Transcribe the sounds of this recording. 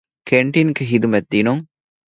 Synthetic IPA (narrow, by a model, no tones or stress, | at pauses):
kʰeɳʈinɡeɦid̪umɛd̪̚d̪iːnuŋ